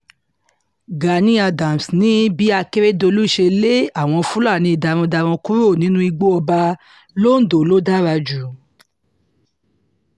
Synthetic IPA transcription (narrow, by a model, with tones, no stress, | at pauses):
ɡa˨nĩ˧˦a˧dã˨m˨snĩ˨˦bi˨˦a˧ke˦ɾe˦do˧lu˦˨ʃe˧le˦a˦˨w̃ɔ̃˧fũ˦la˦˨nĩ˧˨da˧ɾ̃ɔ̃˧da˧ɾ̃ɔ̃˧ku˦ɾo˦˨nĩ˨˦nũ˦i˧ɡ͡bo˦ɔ˧ba˧ | lo˦n̩˦do˨lo˦da˦ɾa˧d͡ʒu˨